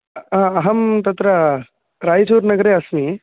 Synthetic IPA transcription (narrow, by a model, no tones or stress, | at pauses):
ãːɐɦɐmt̪ɐt̪ɾɐ | ɾaːjt͡ʃuːɾnɐɡɐɾeːɐsmi